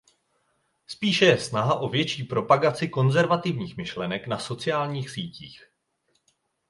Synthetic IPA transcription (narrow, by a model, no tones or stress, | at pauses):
spiːʃɛjɛsnaɦaʔo̞vjɛt͡ʃiːpɾo̞paɡat͡sɪko̞nzɛɾvat̪ɪvɲiːxmɪʃlɛnɛknaso̞t͡sɪjaːlɲiːxsiːciːx